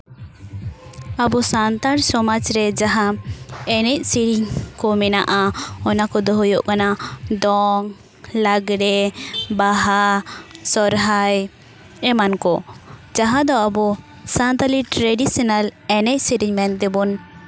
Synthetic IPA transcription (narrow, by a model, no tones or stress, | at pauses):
abɔsant̪aɾsɔmad͡ʒɾɛd͡ʒaɦaɛnɛc̚siɾiɲkɔmɛnaʔaɔnakɔd̪ɔɦɔjoʔkanad̪ɔŋ | laɡɽɛbaɦasɔɾɦaj | ɛmankɔd͡ʒaɦad̪ɔabɔ | sant̪aliʈɾɛɖisɔnalɛnɛc̚ˀsiɾiɲmɛnt̪ɛbɔn